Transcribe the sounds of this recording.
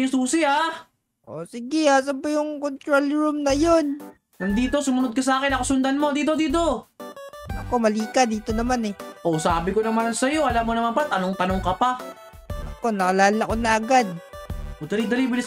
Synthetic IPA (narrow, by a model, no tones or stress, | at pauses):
suːsɪa | ʔo̞̰sɪɡɪas̬ɐmpɐjʊŋkont̪ɾolɹumnɐjo̞n | nɐŋd̪iːt̪o̞sʊmʊnod̪̚kɐs̬ɐaːkɪnɐkɐsʊnd̪ɐnmo̞d̪iːt̪̬o̞d̪iːt̪̬o̞ | ʔɐko̞mɐliːkad̪iːt̪o̞nɐmanɛʔosaːbɪkonɐmansɐjo̞ʔɐlamːonɐmampat̪ɐnoŋt̪ɐnoŋkɐpa | ɐko̞nɐkɐlaːlɐkonɐʔɐɡad̪̚ʔod̪ɐlid̪ɐlibɪlɪs